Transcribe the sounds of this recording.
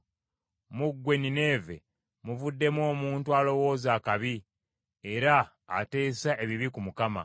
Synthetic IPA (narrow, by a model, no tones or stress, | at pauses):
muɡːwe̞nine̞ːve̞̰ | muvudːe̞mwo̞ːmuːntualo̞wo̞ːzaːkaβi | eɾa̰ː | te̞ːsaʔe̞βiβikumukama̰